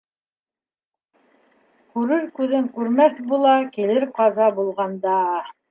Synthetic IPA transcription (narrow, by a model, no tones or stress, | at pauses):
kʉɾɘɾkʉðɘŋkʉɾmæθbulˠɑkilɘɾqɑzɑbulˠʁɑnd̪ɑ